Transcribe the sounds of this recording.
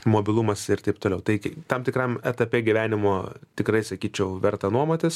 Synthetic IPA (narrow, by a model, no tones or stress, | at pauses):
moːbʲɪlˠumɐsɪrt̪ɐɪpt̪oːlʲɛʊt̪ɐɪt̪ɐmt̪ʲɪkrɐmɛt̪ɐpʲeːɡʲɪʋʲæːnʲɪmoːt̪ʲɪkrɐɪsɐkʲiːt͡ʃʲɛʊʋʲɛrt̪ɐnuɔmoːt̪ʲɪs